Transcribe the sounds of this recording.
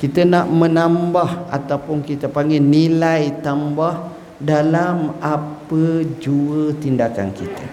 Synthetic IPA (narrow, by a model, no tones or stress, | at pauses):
kit̪ənaʔmə̃nambaha̰t̪awpʊnkit̪əpaŋɡɛnilajt̪ambah | dalamapəd͡ʒuət̪indaka̰nkit̪ə